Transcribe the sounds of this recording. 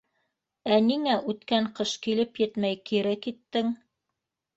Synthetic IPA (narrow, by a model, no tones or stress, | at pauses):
æniŋæʔʉt̪kæɴqɤʃkilɘpjɘt̪mæjkiɾækit̪ːɘŋ